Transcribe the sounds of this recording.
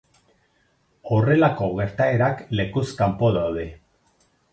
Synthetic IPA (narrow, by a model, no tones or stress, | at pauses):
o̞re̞lako̞ɣe̞ɾt̪ae̞ɾakle̞kuskampo̞ðawðe̞